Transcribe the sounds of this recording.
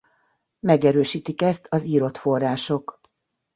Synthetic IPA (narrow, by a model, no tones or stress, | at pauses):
mɛɡɛɾøːʃiːt̪ikɛst̪ʰɒziːɾo̞t̪fo̞rːaːʃo̞k